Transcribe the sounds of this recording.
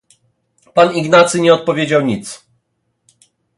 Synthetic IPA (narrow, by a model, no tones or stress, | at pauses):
paniɡnat̪sɘɲɛɔt̪̚pɔvʲjed͡ʑawɲit̪s